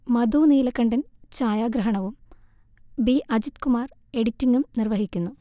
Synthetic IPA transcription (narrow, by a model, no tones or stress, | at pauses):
mɐd̪uːniːlɐkːɐɳɖɐnt͡ɕaːjaːɡɾɐɦɐɳɐʋum | biʔɐd͡ʑit̪kumaːr | e̞ɽitːiŋːumnirʋɐɦikʲːunːu